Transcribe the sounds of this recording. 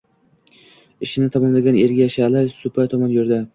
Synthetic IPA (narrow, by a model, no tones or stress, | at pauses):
ɪʃɪnɪt̪ʰɒmɒmlaɡʲaneɾɡʲajaʃalɪsʊpʰajt̪ʰɒmɒnjoɾd̪a